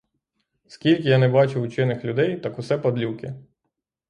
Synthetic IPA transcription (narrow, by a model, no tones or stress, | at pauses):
skʲilʲkʲɪjɑnɛbɑt͡ʃʊt͡ʃɪnɪxlʲʊd̪ɛjt̪ɑkʊsɛpɐd̪lʲukɪ